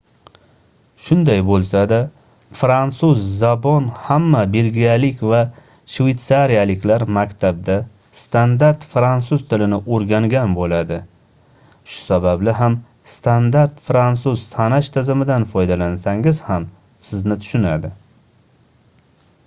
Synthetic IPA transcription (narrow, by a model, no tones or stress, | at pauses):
ʃʊnd̪ajbolˠsad̪a | fɾansuzːabɒnhamːabe̞lɡʲijalɪkʲva | ʃvejt̪saɾijalɪkʲlaɾmakʲt̪ʰab̚d̪a | st̪ʰand̪aɾt̪fɾansuz̥t̪ʰɪlɪnɪʔoɾɡʲaŋɡʲanbolad̪ɪ | ʃʊ̥sabablɪɦam | st̪ʰand̪aɾt̪fɾant̪sʊz̥sʰanaʃt̪ʰɪzɪmɪd̪anfɒjd̪alansaŋɪz̥ham | sɪznɪt̪ʰʊ̥ʃʊnad̪ɪ